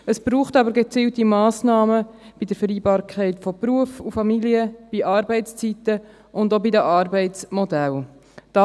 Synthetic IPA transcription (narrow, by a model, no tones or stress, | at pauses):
əsb̥ɾuːχtɑbəɾɡet͡siːltimɑːsnɑːməb̥idəɾfəɾiːbɑːɾkʰɛɪtfɔpɾuəfufɑmiliəb̥iʔɑːɾbɛɪtt͡st͡sitə | ʔʊndobidəʔɑːɾbɛɪtt͡smɔdæl | d̥ɑ